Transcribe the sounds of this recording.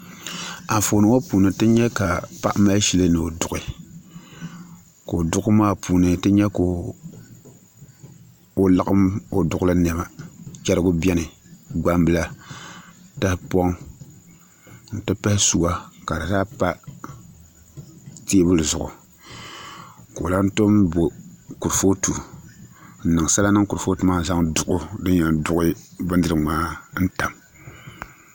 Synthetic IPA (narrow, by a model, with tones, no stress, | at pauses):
a˨fo˨˦nɨ˨wo˦puː˨nɨ˨tɨ˦ɲɛ˦ka˨pa̰˦ʔma˦ʃi˦lɨ˦nɨ˨o˨dʊ˨ɣɪ˨ | ko˨o˨dʊ˦ɡʊ˦maː˦pʰuː˨nɨ˨tɨ˦ɲɛ˦ko˨ | o˨la˦ɣa˦mo˨dʊ˨ɣʊ˦la˦nɛ˨ba˨t͡ʃɛ˦ɾɨ˦ɡʊ˦bɛ˦nɨ˨ɡ͡ba˦mbɨ˦la˦ | ta˦hɪ˦pɔ˦ŋ | n̩˨tɨ˦pa˦hɪ˦su˨wa˦ka˨ɾa˨daː˦pa˦ | teː˦bɨ˦lzʊ˨ʔʊ̰˨ | ko˨la˦n̩˦to˦mbo˨ku˨ɾfo˦tu˨ | n̩˨nɨ˨ŋ˨sa˦la˦nɨ˦ŋku˨ɾfo˦tu˨maː˦za˦ŋdʊ˨ʊ˦dɨ˦ɲ˦ɲa˨dʊ˦ʔʊ˦bɨ˦n˦dɨ˦ɾɨ˨maː˦n̩˦ta˨m